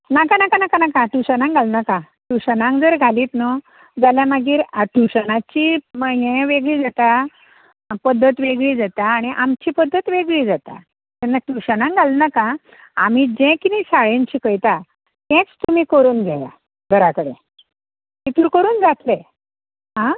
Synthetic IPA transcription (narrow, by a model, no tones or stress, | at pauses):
nakanakanakanakãʈuɕənãŋɡʱalnakã | ʈuɕənãŋkd͡zəɾɡʱaliːt̪nə | d͡zaljamaɡiːɾaʈuɕənat͡ɕiməjẽʋeɡɭiːd͡zat̪a | pəd̪ʱːət̪ʋeɡɭiːd͡zat̪aːɽ̃iʔamt͡ɕiːpəd̪ʱːət̪ʋeɡɭiːd͡zat̪a̰ | t̪ɛnːaʈuɕənãŋɡʱalnaka | a̰m̤iːd͡ʑɛ̃kinisaɭẽɲt͡ɕiːkəjt̪a | t̪ɛ̃t͡st̪um̤iːkəɾuːnɡʱaja̰ | ɡʱəɾakəɽḛ | t̪it̪uːɾkəɾuːnd͡zat̪le | ɦã